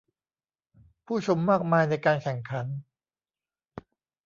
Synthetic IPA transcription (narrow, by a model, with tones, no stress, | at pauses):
pʰuː˥˩t͡ɕʰo˧mːaː˥˩k̚maː˧jna˧jkaː˧nkʰɛ˨˩˦ŋkʰa˩˦n